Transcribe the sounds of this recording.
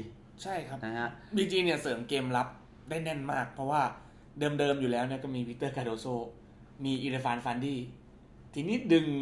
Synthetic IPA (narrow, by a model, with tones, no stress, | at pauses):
t͡ɕʰa˥˩jkʰa˦˥pbiː˧t͡ɕiː˧ni˥˩ɐsɤː˩˦mkeː˧mla˦˥p̚ | daː˥˩jnɛ˥˩nma̰ː˥˩k̚pʰɾɔ˦˥waː˥˩ | dɤː˧mdɤː˧mjuː˨˩lɛː˦˥wni˥˩ɐkɔː˥˩miː˧wi˦˥t̪ːɤː˥˩kaː˧doː˧soː˥˩ | miː˧ʔiː˧ɾa˧fa˧˥nfa˧ndiː˥˩ | t̪ʰiː˧niː˦˥˩dɯ˧ŋ